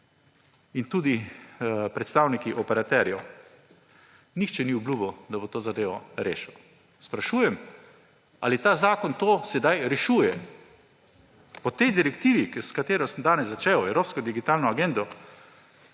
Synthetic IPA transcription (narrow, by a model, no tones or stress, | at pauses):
int̪uːd̪i | pɾɛt̪st̪awnikiʔɔpɛɾat̪ɛɾjɛ | nixt͡ʃɛniublubɔd̪abot̪oːzad̪eːʋɔɾḛːʃɛw | spɾaʃuːjɛm | a̰lit̪aːzaːkɔnt̪oːsɛd̪ajɾɛʃuːjɛ | pɔt̪ɛjd̪iɾɛkt̪iːʋikskat̪eːɾɔsəmd̪aːnɛzːat͡ʃeːwɛwɾoːpskɔd̪iɡit̪aːlnɔaɡend̪ɔ